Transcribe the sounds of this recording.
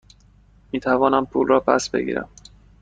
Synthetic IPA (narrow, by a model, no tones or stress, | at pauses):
miːt̪ʰævɒːnæmpʰuːlrɒːpʰæ̰sbe̞̰ɡḭːɾæ̰m